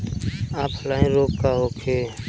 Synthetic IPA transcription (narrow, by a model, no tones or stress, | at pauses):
aːpʰlaːĩːɾoːkkaːɦoːkʰeː